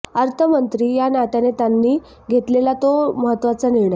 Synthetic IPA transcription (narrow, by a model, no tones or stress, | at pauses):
əɾt̪ʰəmənt̪ɾiːjanat̪anet̪janːiː | ɡʱet̪lelat̪oməɦət̪ːʋat͡səniɭɳə